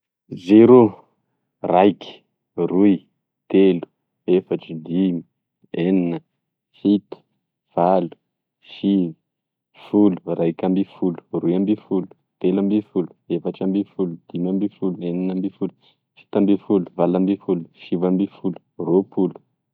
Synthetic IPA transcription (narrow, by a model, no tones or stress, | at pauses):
zeɾu | rajki̥ | ruj | t̪elu̥ | efaʈ͡ʂid̪imi | eninə | fit̪ə̥ | v̥alu̥ | fivi̥ | fulu̥rajkʲambifulu̥rujambifulu̥ | t̪elambifulu̥efaʈ͡ʂambifulud̪̥imambifulueninambifulu | fi̥t̪ambifulu̥valambifulu̥fivambifulu̥ropulu̥